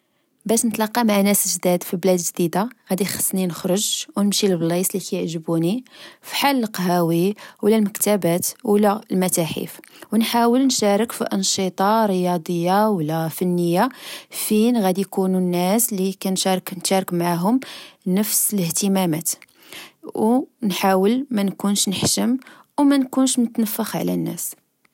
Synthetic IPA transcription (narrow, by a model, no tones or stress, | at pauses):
bæʃnət̪lɑqːɑmaʕnæsʒd̪æd̪fiblæd̪ʒd̪id̪aɣæd̪ixə̥sˤːninəxɾˤʊʒwnəmʃilblisˤlikæjəʕʒəbunifi̥ħalːəlqɦæwiwlælməkt̪æbæt̪wlælmæt̪æħḭfwnħawəlnʃæɾˤəkfiʔɑnʃət̪ˤɑɾəjɑd̪ˤəjːawlːæfənːəjːafinɣæd̪ijkununːæslikænʃɾˤknʃæɾˤəkmaʕaɦʊmnəfsələht̪əmæmæt̪ | wnħawəlmænkunʃnəħʃəm | wmænkunʃmʊt̪nəfːəxʕlæ̰nːæ̰s